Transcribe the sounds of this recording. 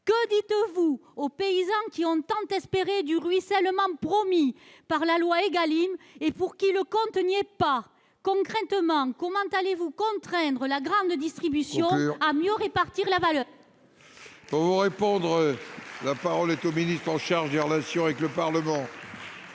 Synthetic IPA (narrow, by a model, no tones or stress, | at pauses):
kəd̪it̪vuopeizɑ̃kʲiɔ̃t̪ɑ̃t̪ɛspeʁed̪yʁɥisɛlmɑ̃pχɔmipaʁlalwaeɡalimepuʁkiləkɔ̃t̪ənjepa | kɔ̃kχɛ̃t̪əmɑ̃kɔmɑ̃t̪alevukɔ̃t̪χɛ̃nd̪ʁəlaɡʁɑ̃d̪d̪ist̪χibysjɔ̃amjøʁepaʁt̪iʁlavalœːʁ | puʁvuʁepɔ̃d̪ʁlapaʁɔlɛt̪ominist̪χɑ̃ʃaʁʒd̪eʁəlasjɔ̃avɛkləpaʁləmɑ̃